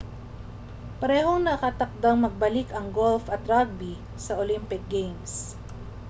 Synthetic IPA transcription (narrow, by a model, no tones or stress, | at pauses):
pɐɾɛːɦoŋnɐkat̪ɐk̚d̪aŋmɐɡ̚bɐlɪkɐŋɡolfɐt̪ɾaɡ̚bi | sɐʔolimpɪk̚ɡejms